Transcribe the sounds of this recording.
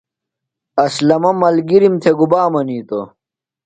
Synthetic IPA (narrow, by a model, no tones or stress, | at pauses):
ɐslɐmɐmɐlɡiɾimt̪ʰeɡubaːmɐniːt̪o̰